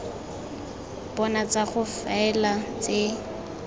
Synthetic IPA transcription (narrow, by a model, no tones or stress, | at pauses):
b̥ɔnat͡saχʊfaɛlat͡se